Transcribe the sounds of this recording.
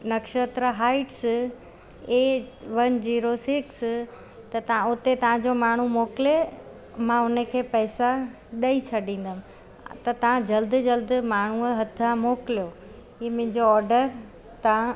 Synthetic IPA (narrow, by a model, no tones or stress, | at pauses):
nɐkʃət̪ɾəɦaːɪʈs | eʋɐnd͡ʑiːɾosɪks | t̪ɐt̪ɐãʊt̪et̪ɐʋ̤ãd͡ʑomaːɳ̤umoːkɪle | mãʊnəkʰeːpɐːsa | ɗɐisʰɐɖʱĩːn̆d̪əmɪ̃ | t̪ɐt̪ɐʋãd͡ʑɐld̪d͡ʑɐld̪maːɳ̤uɦɐt̪ʰamoːkɪlijo | iːmʊ̃ɦɪ̃ɲd͡ʑoɔːɾɖəɾ | t̪ɐã